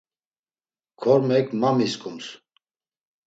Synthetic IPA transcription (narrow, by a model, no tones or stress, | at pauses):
kʰɔɾmɛkʰmamiskʼums